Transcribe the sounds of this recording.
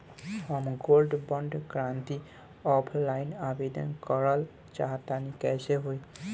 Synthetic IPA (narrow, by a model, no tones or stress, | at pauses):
ɔmɡolɖbɔɳɖkɾant̪i | ɔpʰlajnabed̪ɔ̰nkɔɹal | t͡ʃaɦat̪ːanikɛseɦuj